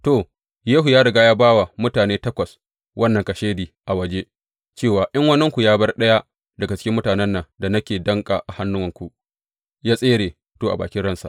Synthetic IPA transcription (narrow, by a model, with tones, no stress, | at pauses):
to˨ | jeː˦ɦu˨jaː˦ɾɐ˨ɡaː˦jaː˦baː˦wa˨mʊ˦taː˨neː˦tɐ˦kʷɐ˨s | wʔɐ˦nːɐ˨ŋkɐ˨ʃeː˦diː˨ʔa˨wɐ˦d͡ʒe˦ | t͡ʃeː˦˨waː˨ʔɪ˦ŋwɐ˦nːɐ˦ŋkʷu˨jaː˦bɐ˦rɗɐ˦ja˦ | dɐ˨ɡa˨t͡ʃɪ̥˦kʲɪ˦mːʊ˦taː˨nɛ˦nːɐ˨ŋda˨nɐ˦kʲeː˨dɐ˦ŋkʼa̰ː˨ʔa˨ha˦nːʊ˦wɐ˨ŋkʷu˨ʔ | jaː˦sʼeː˦ɽeː˨ | toː˨ʔa˨ba̰ː˨kʲɪ˦ɽɐ˦nsa̰˨ʔ